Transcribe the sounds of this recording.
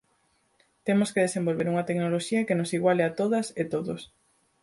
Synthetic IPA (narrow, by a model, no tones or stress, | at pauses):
t̪emoskeðesembolβeɾuŋɐt̪eknoloʃiɐkenosiɣwaleɐt̪oðɐset̪oðos